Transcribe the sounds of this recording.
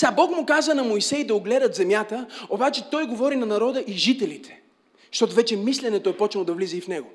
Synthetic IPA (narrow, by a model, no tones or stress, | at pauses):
sabɔkmʊkazənɐmojsɛjd̪ɐʊɡlɛd̪ət̪zɛmjat̪əobat͡ʃɛt̪ɔjɡovɔɾinɐnɐɾɔd̪əʔiʒit̪ɛlit̪ʰɛ̥ | ʃt̪ɔt̪ovɛt͡ʃɛmislɛnɛt̪oɛpɔt͡ʃnlˠod̪ɐvlizɛifnɛɡo